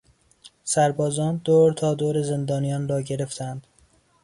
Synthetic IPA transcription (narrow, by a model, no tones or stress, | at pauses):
sæɾbɒːzɒːnd̪oːɾt̪ʰɒːd̪oːɾeze̞nd̪ɒːnijɒːnrɒːɟe̞ɾe̞ft̪ʰænd̪̥